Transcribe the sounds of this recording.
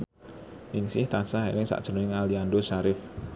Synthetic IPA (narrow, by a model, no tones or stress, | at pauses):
nɪŋsɪht̪asaɦḛɾɪŋsa̰ʔʒ̥ənuɪŋaliandoʃaɾɪf